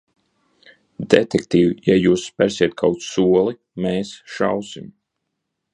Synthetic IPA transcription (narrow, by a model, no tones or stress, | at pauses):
d̪ḛt̪ɛkt̪iːvjajuːsːpæɾsiɛt̪̚kʰawt̪ssuɔlˠi | meːsʃawsim